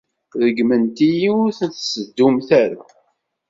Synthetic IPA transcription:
ðəɡmənt̪ijiʊɾθət͡sːsəd̪ːumθaɾa

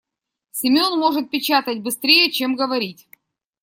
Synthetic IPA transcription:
sʲɪmʲo̞nmo̞ʐɨt̪̚pʲɪt͡ɕat̪ət̚ʲbɨst̪ɾʲejət͡ɕemɡəvɐɾʲitʲ

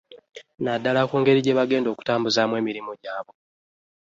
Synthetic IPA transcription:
nadːalakuːŋɡe̞ɾiɟe̞βaɡe̞ːndo̞ːku̥taːmbuzamwe̞ːmiɾimoɟaːβo̞

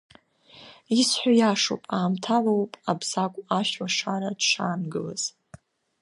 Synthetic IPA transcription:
isħʷᶣajaʂo̰pʼaːmtʰalowpʼabzakʷʼaʃwaʂaɾadʂaːnɡɨla̰z̥

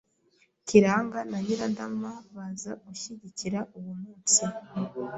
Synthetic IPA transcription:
ciɾaːŋɡanaɲiɾandamaβazaɡuʃiɟiciɾaʔuβumuːnt͡si

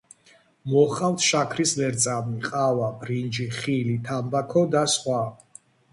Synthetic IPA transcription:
mɔχʼavt̪ʰʃakʰɾislɛɾt̪sʼamiqʼavabɾind͡ʒiχilit̪ʰambakʰɔd̪asχwa

